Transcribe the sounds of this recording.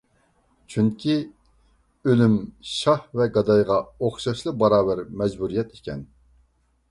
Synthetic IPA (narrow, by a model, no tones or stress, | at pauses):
t͡ʃʰyŋkʲʰi | ølymʃɑhvɛɡɑd̪ɑjʁɑoχʃɑʃlˠɨbɑɾɑːbæɾmɛd͡ʒbuɾijɛt̪ikʲʰɛn